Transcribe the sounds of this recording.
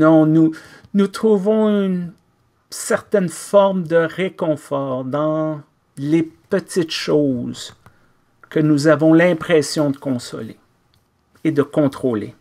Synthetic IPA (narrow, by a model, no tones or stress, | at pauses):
nɔ̃nu | nut̪χuvɔ̃yn | sɛʁt̪ɛnfɔʁmd̪əʁekɔ̃fɔːʁd̪ɑ̃ | lepət̪it̪ʃoz | kənuzavɔ̃lɛ̃pχɛsjɔ̃d̪əkɔ̃sɔ̰lḛ | ed̪əkɔ̃t̪χoːlḛ